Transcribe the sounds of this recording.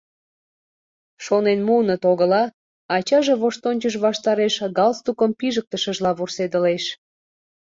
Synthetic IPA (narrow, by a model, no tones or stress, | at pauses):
ʃonenmunət̪oɣəlɑ | ɑt͡ɕɑʒeβoʃt̪onʲt͡ɕəʃβɑʃt̪ɑɾeʃɣɑlst̪ukəmpiʒək̚t̪əʃəʒlɑβursed̪əleʃ